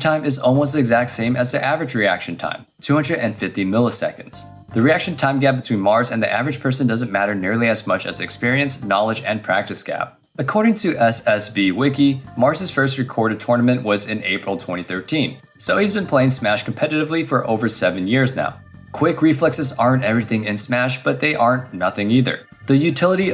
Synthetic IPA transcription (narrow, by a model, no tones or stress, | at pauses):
tʰãɪ̃mɨzɔlˠmoʊstɨɡzæk̚tsẽɪ̃mɨzðiʔævɹɨd͡ʒɹiæ̰kʃɨ̃n̩tʰã̰ɪ̃mtʰʉhʌ̃ndɹɨɾɨ̃nfɪftimɪlˠəsɛ̰kɨ̃n̩dz̥ | ðɨɹiækʃɨ̃n̩tʰãɪ̃mɡæp̚b̥ɨtʰwĩnmɑɹzɨ̃nðiʔæ̰vɹɨ̥d͡ʒ̥pʰɜ˞sɨ̃ndʌzɨ̃nmæɾə˞nɪɹlˠiɨzmʌt͡ʃɨ̰zɨkspɪɹiɨ̃nsnɑlˠəd͡ʒɨ̃npʰɹ̥æk̚tɨsɡ̥æ̰p̚ | ɨkʰɔɹɾɪ̃ŋtʰɨʔɛsɛsbiwɪkimɑɹzɨz̥fɜ˞st̚ɹɨkʰɔɹɾɨd̚tʰɔɹnəmɨ̃nʔwʌzɪ̃neɪpɹl̩ˠtʰw̥ɛ̰̃ɾ̃iθɜ˞tʰĩn | soʊhizbɨ̃npʰl̥eɪɪ̃ŋsmæʃkʰm̩pʰɛɾɨɾɨvlifə˞ʔo̰ʊvə˞sɛvɨ̃njɪɹzna̰ʊ | kʰw̥ɪkɹiflɛksɨzɑɹɨ̃ntɛvɹiθɪ̃ŋɨ̃nsmæʃb̥ʌt̪̚ðeɪʔɑɹ̃nnʌθɪ̃ŋiðə̰˞ | ðɨjʉtʰɪlˠəɾi